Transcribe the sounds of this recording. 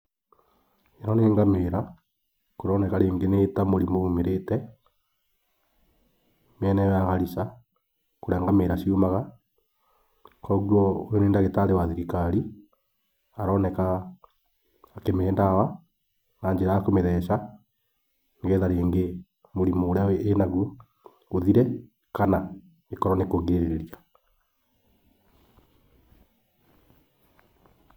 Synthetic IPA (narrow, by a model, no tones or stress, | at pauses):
enɔneːŋɡameɾa | koɾɔnɛkaɾeːŋɡenetamoɾimomeɾetɛ | mɛnɛjaɣaɾisa | koɾɛːŋɡameːɾaʃiomaɣa | kɔɣwɔojoneːndaɣetaɾewaðekikaɾi | aɾɔːnɛka | kemɛːndawa | naːɲd͡ʒeɾajakomeðɛʃa | ŋɡeðaɾeːŋɡe | moɾimooɾaweʔenaɣu | oðiɾɛ | kana | ekɔɾɔnekoɣeeɾeɾeɾia